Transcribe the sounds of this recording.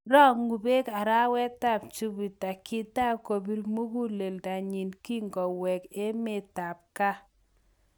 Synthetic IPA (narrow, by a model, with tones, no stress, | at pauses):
ɾɔ˦ŋu˨be˦ka˨ɾa˦wɛ˦ta˦˨p̚t͡ʃu˦bi˨ta˨kɪ˦ta˦ko˨bi˦ɾmu˦ku˦le˨lda˨ɲi˨nki˦ŋɡɔ˨wɛ˨ke˦me˨ta˨p̚ka˦